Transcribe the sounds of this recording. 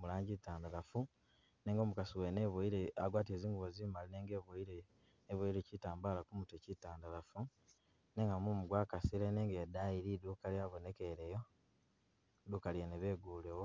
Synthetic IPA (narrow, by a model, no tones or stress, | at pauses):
mulaːɲɟitaːndalafu | neːŋɡoːmukasiweneβwoiɾea̰ɡwaːt̬ieːziːŋɡuβozimalineːŋɡeβoiɾe | neβoiɾecitaːmbaːlakumutecitaːndalafu | neːŋɡamumuɡwaːkasileneːŋɡedaiɾiduːkaliaβonekeɾejo̞ | duːkaljeneβeːɡuːlewo